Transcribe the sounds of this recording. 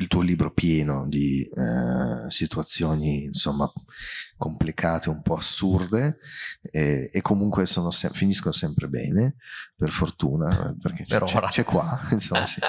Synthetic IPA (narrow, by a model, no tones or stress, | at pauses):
ilt̪uːoliːbɾopjɛːnod̪i | sit̪uat̪sːjoːniːnsomːakomplikʰaːt̪eumpɔasurd̪e | ɛekʰːomuŋkwesoːnosɛ̰finiskonosɛmpɾebɛ̰ːneperfort̪ṵːna̰perket͡ʃɛot͡ʃːɾat͡ʃɛkːwainsomːasi